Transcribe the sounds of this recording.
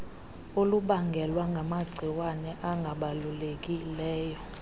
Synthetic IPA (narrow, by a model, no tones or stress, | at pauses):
oluɓaŋɡʱɛlwaŋɡʱamaɡ͡ǀʱiwanɛʔaŋɡʱaɓalulek̬ʼilɛːjɔ